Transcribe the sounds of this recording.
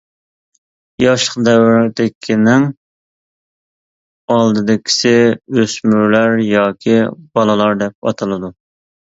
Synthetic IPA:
jɑʃə̥qd̪ɛwɾd̪ɪkʲʰinɪŋ | ɑlˠd̪ɨd̪ɪkʲʰi̥sɪøsmyɾlæɾjɑːkʲʰib̥ɑlˠɨlˠɑɾd̪ɛp̚ɑ̰t̪ʰɨlˠɨd̪u

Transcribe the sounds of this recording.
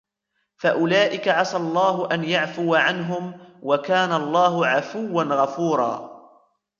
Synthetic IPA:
faʔʊlaːʔɪkaʕasalˤːɑːɦʊʔanjaʕfʊwaʕanɦʊmwakaːnalˤːɑːɦʊʕafʊwːanɣafuːɾˤɑ̰ː

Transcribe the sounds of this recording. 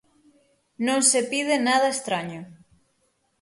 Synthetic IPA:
nõŋsepið̞enaðɐest̪ɾaɲo

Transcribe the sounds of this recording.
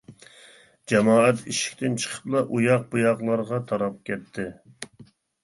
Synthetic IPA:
d͡ʒɛmɑːɛt̪ʰiʃi̥kʲt̪ʰɪnt͡ʃʰə̥qʰə̥blˠɑʔujɑq̚bujɑʁlˠɑɾʁɑt̪ʰɑɾɑp̚kʲʰɛt̪ʰːɪ

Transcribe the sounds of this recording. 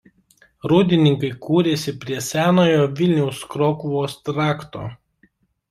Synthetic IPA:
ɾuːd̪ʲɪnʲɪŋkɐɪkʰuːɾʲeːsʲɪpʲɾʲiɛsʲæːnoːjoːʋʲɪlʲnʲɛʊskɾoːkʊʋoːst̪ɾɑːkt̪o̰ː

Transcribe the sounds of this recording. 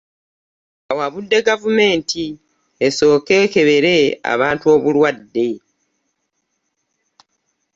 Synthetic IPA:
awaβudːe̞ɡavume̞ːntʰi | eso̞ːke̞ːke̞βe̞ɾe̞a̰βaːntuo̞ːβulwadːe̞

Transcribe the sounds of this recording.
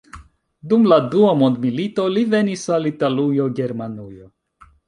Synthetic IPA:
dumladuamo̞ndmilito̞live̞nisalitalujoɡe̞ɾmanujo̞

